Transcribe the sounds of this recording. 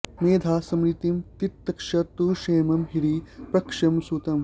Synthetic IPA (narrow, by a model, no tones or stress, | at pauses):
meːd̪ʱaːsɐmɾit̪imt̪it̪ːɐkʂɐt̪uːʂeːmɐmɦiɾipɾɐkʂɐmsuːt̪ɐm